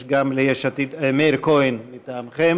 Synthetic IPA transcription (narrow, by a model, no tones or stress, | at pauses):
ʃɡamlejeʃat̪id̪emeɾkojnmit̪aːmχem